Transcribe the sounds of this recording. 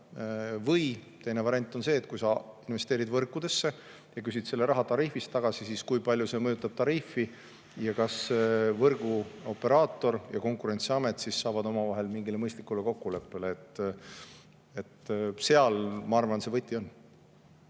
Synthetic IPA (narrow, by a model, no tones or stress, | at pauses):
vɤjt̪e̞jne̞vɑɾenʲt̪ːˑo̞nse̞ːt̪̚kujsɑinve̞st̪e̞ːɾid̪vɤrkːˑud̪e̞sːe̞ | jɑkysid̪se̞lːe̞ɾɑɦɑt̪ɑɾifist̪ɑɡ̥ɑsisiskujpɑlʲjuse̞mɤjut̪ˑːɑb̥̚t̪ɑɾifːi | jɑkɑsevɤrɡ̥uo̞pːe̞ɾɑːt̪ːˑo̞rjɑko̞ŋkˑuɾe̞nʲt̪siɑme̞t̪ːˑsisːɑːvɑd̪o̞mɑvɑɦe̞lmiŋɡ̥ileɤjst̪likːule̞ko̞kːule̞pːe̞leːt̪ː | e̞t̪se̞ɑlmɑɑrvɑnse̞vɤt̪ʲːˑio̞nː